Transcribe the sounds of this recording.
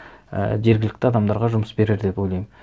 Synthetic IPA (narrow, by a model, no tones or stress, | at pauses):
ə̰ʒe̞ɾɡʲɪlɪk̚t̪ɪɑd̪ɑmd̪ɑɾʁɑʒʊməsbe̞ɾeɾd̪e̞po̞jlɑjm